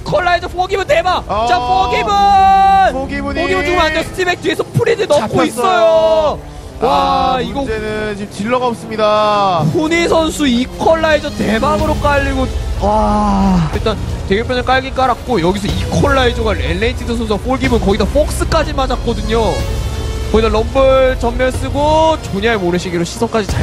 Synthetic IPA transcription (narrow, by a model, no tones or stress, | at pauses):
ikʰʌɭːaid͡ʑʌɸoɡibɯnte̞bat͡ɕapʌɡibɯnoɡibupoɡibɯnt͡ɕʰuŋmanesʰtʰibek̚tiɡesʰʌpʰuɾidɯnʌk͈ois͈ʌjo | waiɡʌnɯnt͡ɕimt͡ɕiɭːʌɡaop̚s͈ɯmɲidapʰoɲis̬ʰʌnsʰuikʰʌɭːaid͡ʑʌtebaɡɯɾok͈aʎːiɡowa | iɭt͈anteɡopʰjʌnɯɭk͈aɭɡik͈aɾak̚k͈ojʌɡisʰʌikʰʌɭːaid͡ʑʌɡaenːeitʰisʰʌsʰʌnsʰuɡap͈oɭɡibɯnkʌɡidʌp͈ok̚s͈ɯk͈ad͡ʑimad͡ʑak̚k͈ʌdɯɲo | kʌɡidʌlʌmbɯɭt͡ɕʌmːjʌɭs͈ɯɡot͡ɕoɲaemoɾɯɕʰiɡiɾoɕʰi̥sʰʌŋk͈ad͡ʑit͡ɕa